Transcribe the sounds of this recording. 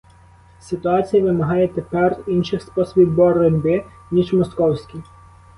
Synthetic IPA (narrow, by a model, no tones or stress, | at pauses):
sɪt̪ʊɑt͡sʲijɐʋɪmɐɦɑjɛt̪epɛrinʃɪxspɔsɔbʲiwbɔredʲbɪ | nʲiʒmɔskɔwsʲkʲi